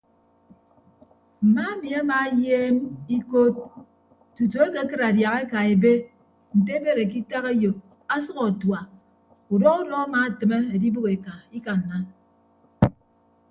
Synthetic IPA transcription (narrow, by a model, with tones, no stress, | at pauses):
m̩˨ma˦e˦mi˨a˦ma˨˦jeː˦mi˦ko˦t̚ | tu˨to˨e˦ke˦kɨ˦ɾa˨dja˨ɣe˦ka˨e˨be˦ | n̩˨t̬e˦be˦˨ɾe˨k̬i˦ta˦ɣe˦jo˨p̚ | a˦sʌ˦ɣɔ˨twa˨ | u˨dɔ˦ɣu˦dɔ˦a˦ma˨tɨ˨me˦e˨di˦bu˦ke˨ka˨i˦ka˨n̩˨na˦n